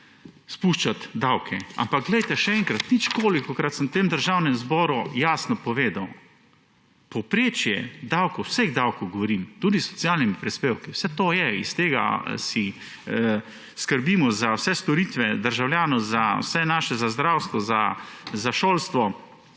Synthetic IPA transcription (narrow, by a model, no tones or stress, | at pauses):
spuːʃt͡ʃat̪d̪awkʰɛa̰mpaɡ̚ɡlɛjt̪ɛʃɛɛŋkɾat̪nit͡ʃkoːlikɔkɾat̪sənwt̪emd̪əɾʒaːwnɛmzbɔːɾujaːsnɔpɔʋeːd̪aw | pɔwpɾeːt͡ʃjɛ̰d̪awkɔwwseɣd̪awkowɡɔʋɔɾiːmt̪uːd̪isːɔ̥t̪sjalnimipɾispeːwkiwsɛt̪oːjɛḭst̪eːɡa̰si | skəɾbiːmɔzawsɛst̪ɔɾiːt̪ʋɛd̪əɾʒawljaːnɔzawsɛnaːʃɛzazd̪ɾawst̪ʋɔzazaʃoːlst̪ʋɔ